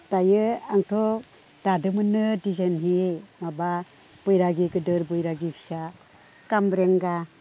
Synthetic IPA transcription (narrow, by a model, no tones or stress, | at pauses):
tajɯaŋtʰɔ | d̥adɯmɯnɯdizenɦimaba | b̥ɯjɾaɡiɡɯdɯɾbɯjɾaɡipʰi̥sa | kambɾeŋɡa